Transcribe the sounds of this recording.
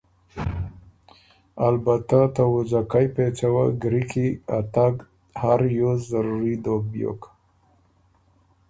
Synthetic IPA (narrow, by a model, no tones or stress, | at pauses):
albat̪at̪awʊzakajpet͡ʃawaɡɾikia̰t̪aɡ | haɾjozaɾuɾid̪oɡ̚bjo̰k